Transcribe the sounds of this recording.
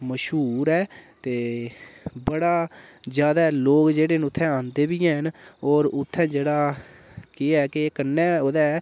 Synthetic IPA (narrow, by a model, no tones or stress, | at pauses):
məʃɦuːɾɛːt̪eː | bəɽaːzjaːd̪aːloːkd͡ʒeːɽeːñʊt̪ʰːɛ̃ːãːnd̪eːbiːɛ̃ːɦənɔːɾʊt̪ʰːɛ̃ːd͡ʒeːɽaːkeɛːkekənːɛ̃ːoːd̪ɛː